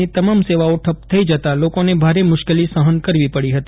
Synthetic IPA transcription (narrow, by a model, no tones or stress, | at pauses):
it̪əmamseʋaoʈʰəpt̪ʰəid͡ʒət̪alokonebʱaɾemʊʃkelisəɦənkəɾʋipəɽiɦət̪i